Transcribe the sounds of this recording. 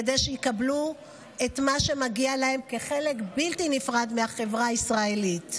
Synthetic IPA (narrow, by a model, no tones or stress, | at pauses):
ed̪ejʃejikablu | e̞tmaʃe̞maɡialahe̞mke̞χe̞lekbiltinifʁad̪meaχe̞vʁaaisʁae̞lit